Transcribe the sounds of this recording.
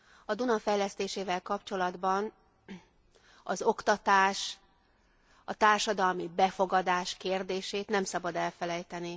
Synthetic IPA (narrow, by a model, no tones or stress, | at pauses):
ɒd̪unɒfɛjlɛst̪eːʃeːvɛlkɒpt͡ʃo̞lɒd̪bɒn | ɒzo̞kt̪ɒt̪aːʃ | ɒt̪aːrʃɒd̪ɒlmibɛfo̞ɡɒd̪aːʃkeːrd̪eːʃeːt̪nɛmsɒbɒd̪ɛlfɛlɛjt̪ɛni